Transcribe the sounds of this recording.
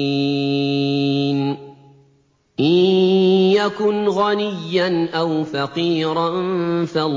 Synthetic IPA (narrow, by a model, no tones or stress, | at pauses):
n | ʔɪ | jakʊnɣanɪjːanʔawfaqiːɾˤanfal